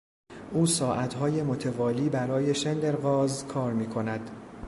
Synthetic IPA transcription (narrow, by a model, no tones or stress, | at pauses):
ʔuːsɒːʔæt̪ɦɒːje̞mot̪ʰe̞vɒːliːbæɾɒːje̞ʃend̪eɾɣɒːzkʰɒːɾmiːkʰo̞næd̪̥